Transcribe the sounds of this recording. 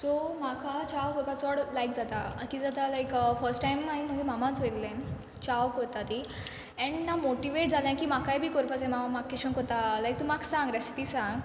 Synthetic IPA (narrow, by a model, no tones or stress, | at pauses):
somakʰat͡ɕawkɔɾpat͡sɔɽlajkd͡zat̪aakid͡zat̪alajkfəɾsʈʈajmːaim̤əɡd͡ʑemamãt͡sojt̪lẽn | t͡ɕawkɔɾt̪at̪i | ɛ̃ɳɖnamoʈiʋeʈ̚d͡zʱalãkiːmakajbʱiːkɔɾpat͡sẽmamakkːiɕə̃ŋkɔɾt̪alajk̚t̪umaksãŋɡɾesi̥pisãŋɡ